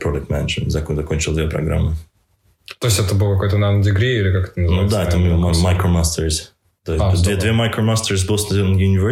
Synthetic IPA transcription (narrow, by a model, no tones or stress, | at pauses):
pɾod̪ək̚t̪mɛnəʂənzɐkzɐkonʲt͡ɕɪlˠd̪vʲepɾɐ̰ɡɾa̰mːɨ | t̪oɪsʲɛt̪əbɨlˠkɐkojt̪ənad̪ʲɪɡɾʲiilʲɪkakɛ̥t̪ənəznud̪aɛt̪əmʲɪmamajkɾomast̪əɾs | t̪oɪsʲd̪veɛd̪vʲemajkɾomast̪əɾzbɨlˠsnɐzʲɛnjʊnʲɪvʲɛ